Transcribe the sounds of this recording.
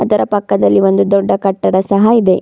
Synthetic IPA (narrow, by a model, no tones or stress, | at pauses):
ɐd̪ɐɾɐpɐkːɐd̪ɐlːiʋo̞nd̪ud̪ɔɖːɐkɐʈːɐɽɐsɐɦɐid̪e̞